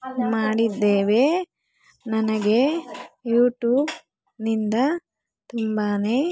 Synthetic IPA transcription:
maːɽid̪ːeːʋe | nɐnɐɡe̞juːʈjuːb | nind̪ɐ | t̪umbaːne̞ː

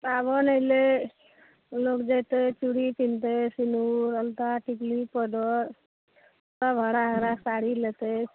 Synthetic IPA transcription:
pabɔnəjle | lokd͡ʒejt̪et͡ʃuɽikint̪esinuɾəlt̪aʈiklipəɖɔɾ | t̪abʱəɽaɦəɾasaɽilet̪e

